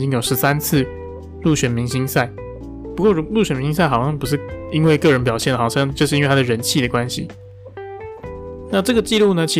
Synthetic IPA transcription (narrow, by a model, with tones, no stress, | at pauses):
t͡ɕi˥ŋjo˨˩ʊʂɻ̩˧˥sa˦˥nt͡sʰɹ̩˥˧ | lu˥˩ɕɥɛ˨˩nmi˧˥ŋɕi˥ŋsa˥˩ɪ | pu˧˥kwɔ˥˩ɻu˧˥lu˥˩ɕɥɛ˨˩nmi˧˥ŋs̬a˥˩ɪxɑ˨˩ʊɕɑ˥˩ŋpu˧˥ʂ̬ɻ̩˥˩i˥nwe˥˧ɪkɤ˥˩ɻə˧˥npjɑ˨˩ʊɕjɛ˥˩nə˩xɑ˨˩˥ɑ˥˧ŋt͡ɕjo˥˧ʊʂɻ̩˥˧˥we˥˩a˥d̪ə˨ɻə˧˦˥nt͡ɕʰi˥˩də˩kwa˦nɕḭ˨˦ | na˥˧ʈ͡ʂɤ˥˩ɡə˩t͡ɕi˥˧lu˥˩nə˩t͡ɕʰi˧˥